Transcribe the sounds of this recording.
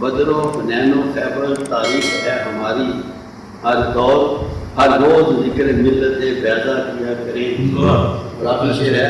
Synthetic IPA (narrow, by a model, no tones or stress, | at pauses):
bəd̪ɾõːnɛːnõːpʰɛːbəɾt̪aːɾiːxɦɛːɦəmaːɾiː | ɦəɾd̪ɔːɾhəɾːoːzzɪkəɾemɪlːət̪eːbɛːdaːkɪjaːkəɾẽːaːɾaːʃeːɾɛː